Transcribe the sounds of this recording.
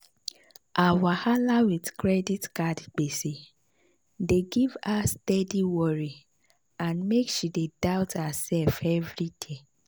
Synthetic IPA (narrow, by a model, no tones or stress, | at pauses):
ʔawahalawidkɹɛditkadk͡pese | deɡivastɛdiwɔɹi | ãnmekʃidedaʊthasɛlfɛvɹide